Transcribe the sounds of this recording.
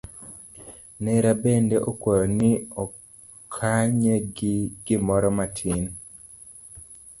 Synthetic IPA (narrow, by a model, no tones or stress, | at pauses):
nɛɾabendeʔokwɔjɔniɔ | kʰaɲeɡɪɡ̥ɪmɔɾɔmatʰin